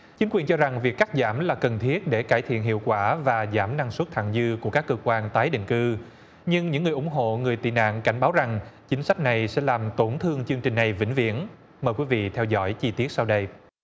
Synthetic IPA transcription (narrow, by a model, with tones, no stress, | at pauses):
t͡ɕi˨˦ŋkwi˨˩ənt͡ɕɔ˧za˨˩ŋvi˨˩ək̚ːa˦˥t̚zaː˧˩mlaː˨˩kə˨˩nt̪ʰi˦˥ət̚ɗe˧˩kaː˧˩jt̪ʰḭ˧˨ənɦḭ˧˨əwkwaː˧˩vaː˨˩zaː˧˩mna˧ŋswə˦˥t̚t̪ʰa̰˧˨ŋzɨ˧ku˧˩əkaː˦˥kːəː˧kwaː˧nt̪aː˨˦jɗḭ̈˧˨ŋ̟kɨ˧ | ɲɨ˧ŋɲɨ̰˧˥ŋɨ˨˩əjʔʊ˧˩˦ŋ͡mɦo̰˧˨ŋɨ˨˩əjt̪ḭ˧˨na̰ː˧˨nka˧˩jŋ̟ɓaː˨˦wza˨˩ŋt͡ɕï˨˦ŋ̟sa˦˥k̟̚na˨˩jsɛ̰˧˥laː˨˩mt̪o˧˩nt̪ʰɨ˧əŋt͡ɕɨ˧ŋt͡ɕï˨˩ŋ̟na˨˩jvḭ˧˥ŋ̟vḭ˧˥ən | məː˨˩jkwi˨˦vḭ˧˨t̪ʰɛ˧wzɔ̰˧˥jt͡ɕi˧t̪i˦˥ət̚sa˧wɗə˧j